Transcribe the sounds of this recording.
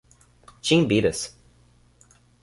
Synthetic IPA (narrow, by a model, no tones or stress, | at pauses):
t͡ʃɪ̃ŋbiɾəs